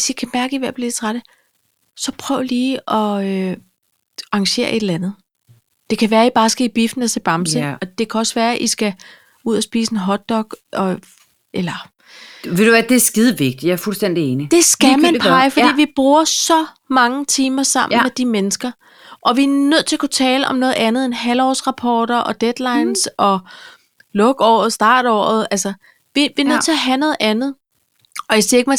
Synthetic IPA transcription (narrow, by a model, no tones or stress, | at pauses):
ʋesjikʰæmæɐɡ̥əiʋæɐ̰fle̝̥t͡sʰʁaɾ̥ə | sɒ̽pʰʁœʊliːɒ̽ø | ɑ̈ŋɕe̝̰ːɐʔe̝ɾ̥elænð̞̩ˠ | d̥e̝kʰæʋæːɐib̥ɑ̈ːsɡ̥æib̥ifd̥n̩eseb̥ɑ̈msəɒ̽d̥e̝kʰæɒ̽sʋæːɐʔisɡ̥æ | uð̞̰ˠɒsb̥ḭːsenɦɒ̽d̥ːɒ̽ɡ̥ʔɒ̽ | elɐ | ʋed̥uʋæd̥esɡ̥iðˠʋe̝ɡ̥̚d̥jɑ̈ɐfulsd̥en̰d̥ieːnid̥e̝sɡ̥æmænpʰɑ̈ɪfɒd̥ḭːʋib̥ʁuːɐsɒ̽ | mɑ̈ŋət͡sʰiːmɐsɑ̈m̰n̩med̥imenəsɡ̥ɐ | ʔɒ̽ʋiænøð̞̰ˠt͡sʰe̝ɐkʰut͡sʰɛːləʔɒ̽mnɔ̽ːð̩ˠænð̞̩ˠenhælɒ̰ːsʁɑ̈pʰɒ̰ːɾ̥ɐʔɒ̽d̥ed̥lɑ̈ɪnsʔɒ̽ | lɔ̽ɡ̥ɒ̰ːð̩ˠsd̥ɑ̈ːɾ̥ɒ̰ːð̞̩ˠælsɐ | ʋiʋinøð̰ˠt͡sʰe̝ɐɦænɔ̽ːð̩ˠænð̞̩ˠ | ɒ̽æseɐeɡ̥mæ